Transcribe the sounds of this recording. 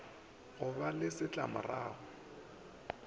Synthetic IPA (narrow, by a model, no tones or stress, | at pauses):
ɣʊbalɪsɪt͡ɬʼamʊ̰raːɣʊ